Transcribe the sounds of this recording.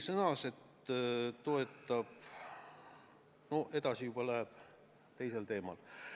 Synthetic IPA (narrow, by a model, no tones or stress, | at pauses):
sɤnɑse̞t̪ː | t̪ːo̞e̞t̪ːˑɑb | no̞ʔe̞d̪̥ɑsijub̥ɑlæɦeb̥ | t̪e̞jse̞lt̪e̞ːmɑ̰l